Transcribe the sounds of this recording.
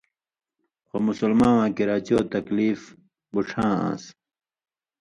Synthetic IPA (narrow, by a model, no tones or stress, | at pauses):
xomusulmãːwãːkiɾaːt͡ɕoːt̪ɐkliːf | buʈ͡ʂʰãːã̰ːs